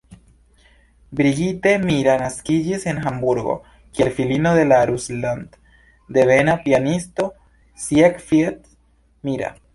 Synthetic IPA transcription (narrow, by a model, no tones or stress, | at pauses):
bɾiɣit̪emiɾanaskid͡ʒise̞nxambuɾɡo̰ | kielfilinoðe̞laɾusland̪ | d̪e̞βenapianist̪o | sjekfjet̪ | miɾa̰